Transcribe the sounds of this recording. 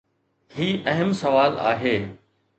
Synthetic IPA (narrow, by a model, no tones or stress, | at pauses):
hiːʔɐɦəmsɐʋaːla̰ːɦeː